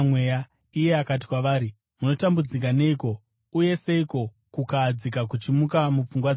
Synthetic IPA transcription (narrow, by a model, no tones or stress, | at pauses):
mweja | ije̞akat̬i̥kwaʋaːɾi | muno̞tambud͡zik̬ane̞iko̞ | uje̞se̞iko̞ | kukad͡zikak̬ut͡ʃimukamup͡fuŋɡwa